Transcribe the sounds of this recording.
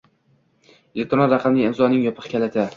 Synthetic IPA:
elek̚ʲt̪ɾɔnɾɑqʰɑmnɪɪmzɒnɪŋjɒpʰɨ̥χkʲʰalat̪ʰa

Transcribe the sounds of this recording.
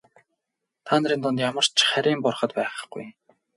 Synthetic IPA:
t̪ʰaːnəɾiːnt̪ɔnt̪jamə̆r̥t͡ɕʰχæɾʲiːmpɔrχə̆t̪pæːχə̆ɡ̥ṵj

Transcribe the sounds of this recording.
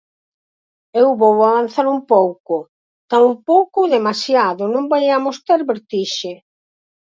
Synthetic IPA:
ewβɔwoaβan̟θaɾumpowkʊ | t̪aumpowkʊðemasjaðʊnõmbajamost̪eɾβeɾt̪iʃe

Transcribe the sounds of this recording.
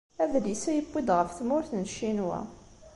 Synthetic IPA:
æðlisæjəbʷːid̪ʁəfθmʊɾθnʃːinwæ̰

